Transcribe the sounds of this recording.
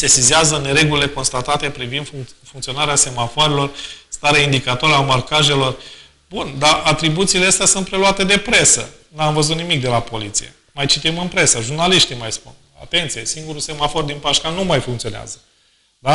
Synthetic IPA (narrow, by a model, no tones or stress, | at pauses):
se̞sizazəne̞ɾe̞ɡulile̞ko̞nst̪at̪at̪e̞pɾivind̪fuŋkt̪sio̞naɾease̞mafoaɾelo̞rst̪aɾeaind̪ikat̪oaɾamarkaʒe̞lo̞r | b̥und̪aʔat̪ɾibut̪siːleast̪easunt̪̚pɾe̞luat̪e̞d̪e̞pɾe̞sə̰ | namvəzut̪nimik̚d̪e̞lapo̞lit̪sijḛ | majt͡ʃit̪imɨnpɾe̞səʒurnaliʃt̪imajspṵn | a̰t̪e̞nt̪sijesiŋɡuɾuse̞mafo̞rd̪inpaʃkanumajfuŋkt̪sio̞nea̰zə | d̪a